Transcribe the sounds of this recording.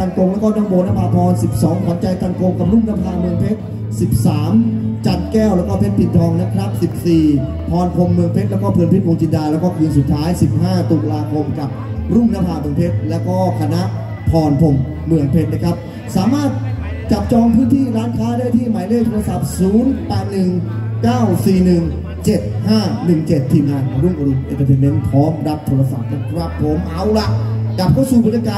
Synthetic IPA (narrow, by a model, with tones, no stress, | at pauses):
a˧nko˧ŋlɛː˦˥wkɔː˥˩nɔː˥˩ŋboː˧naː˦˧˥pʰaː˧˩pʰɔː˧nsi˨˩p̚sɔː˩˦ŋt̪ʰɔ˩˦nt͡ɕa˧jt̪a˨˧˩nko˧ŋka˨˩p̚ɾu˥˩ŋnaː˦˥pʰaː˧mɯ˧˩əŋpʰe˦˥t̪̚ | si˨˩p̚saː˩˦mt͡ɕa˨˩t̪̚kɛː˥˩wlɛː˦˥wkɔː˥˩pʰe˦˥t̪̚pʰi˨˩t̪̚t̪ʰɔː˧ŋna˦˥kʰɾa˦˥p̚si˨˩p̚siː˨˩ | pʰɔː˧npʰo˧mːɯ˧˩əŋpʰe˦˥t̪̚lɛː˦˥kɔː˥˩pʰɯ˧ənpʰe˦˥t̪̚ko˧ŋt͡ɕi˧ndaː˧lɛː˦˥wkɔː˥˩kɯː˧nsu˨˩t̪ʰːaː˦˥jsi˨˩p̚ɦaː˥˩t̪uː˨˩klaː˧kʰo˧mka˨˩p̚ | ɾu˥˩ŋnaː˦˧˥pʰaː˧˩mː˨˩əmpʰe˦˥t̪̚lɛː˦˥wkɔː˥˩kʰa˧na˦˥ʔ | p̪ʰɔː˧npʰo˧˩mː | ɯ˨˩əŋpʰe˦˥t̪̚na˦˥kʰa˦˥p̚ | saː˩˦maː˥˩t̪̚ | t͡ɕa˨˩p̚t͡ɕɔː˧ŋpʰɯː˦˥nt̪ʰiː˥˩ɾaː˦˥nkʰaː˦˥daː˥˩jt̪ʰiː˥˩maː˩˦jlɯː˧˥˩jt̪ʰoː˧ɾa˧sa˨˩p̚suː˨˩˦npɛː˨˩t̪̚nɯ˨˩ŋ | kaː˥˩wsiː˨˩nɯ˨˩ŋ | t͡ɕe˨˩t̪̚haː˥˩nɯ˨˩ŋt͡ɕe˨˩t̪ʰːiː˧mŋaː˧nka˨˧˦ɾu˥˩ŋʔa˧ɾi˧˩ʔḛ˨˩t̪ʰːa˧pʰe˧me˧˦˥nt̪ʰɔː˦˥mɾa˦˥p̚t̪ʰoː˧ɾa˧sa˨˩k̚ːa˦˥˩wa˦˧˥pʰːo˨˦mʔa˨˧˦wla˨˩ʔka˨˩p̚kʰa˥˩wsuː˨˩ba˧˦njaː˧kaː˧